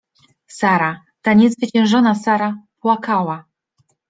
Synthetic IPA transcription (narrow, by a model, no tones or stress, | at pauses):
saɾa | t̪aɲɛzvɘt͡ɕɛ̃w̃ʐɔnasaɾapwakawa